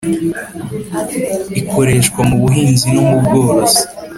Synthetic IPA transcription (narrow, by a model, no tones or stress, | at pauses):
ikʰo̞ɾe̞ʃkwamuβuɦiːnzinomubɡo̞ːɾose̥